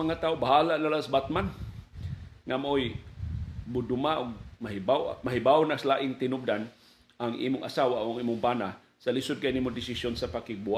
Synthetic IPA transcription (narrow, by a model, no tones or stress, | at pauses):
aŋat̪aːʊbaɦaːlaʔnalasbat̪̚man | ŋamaʔoj | bʊd̪ʊmaʔʊɡ̚maɦɪbaw̰maɦɪbaʊnaslaʔɪŋt̪ɪnʊb̚d̪an | ʔaŋʔḭːmʊŋʔasaːwaʔoʔaŋʔiːmʊŋbana | salɪsʊd̪̚kanimʊd̪ɪsɪsjonsapakɪɡ̚buha